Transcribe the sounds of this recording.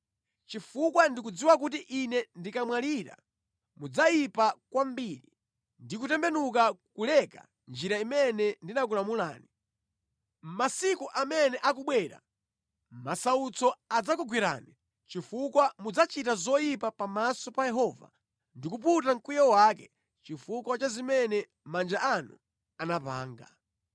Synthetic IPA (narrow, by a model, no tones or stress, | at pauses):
t͡ʃifukwandik̬ud͡ziwak̬ut̬iʔinɛndikamwaliɾa̰ | mud͡zajipakwambiɾi | ndikutɛmbɛnuk̬akulɛka̰ | nd͡ʒiɾaimɛnɛndinak̬ulamula̰ːni | m̩masikuʔamɛnɛʔak̬uɓwɛːɾa̰ | masaut͡sɔad͡zakuɡwiɾa̰ni | t͡ʃifukwamud͡zat͡ʃitazɔjipapamasɔpajɛɦɔva̰ | ndikup̬utaŋkujawakɛ | t͡ʃifukwat͡ʃazimɛnɛ | mand͡ʒaʔanṵ | anapa̰ːŋɡa̰